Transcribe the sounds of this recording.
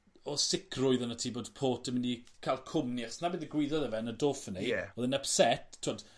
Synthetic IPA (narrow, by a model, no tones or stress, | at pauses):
ɔsɪkʰrʊɨðənətʰiːboːdpʰoːtəmɪnikʰalˠkʰʊmniaχɔ̥snabɪðəɡwɪðɔðɛvɛnədoːfənejoːðənɛpsɛttʰːuɔd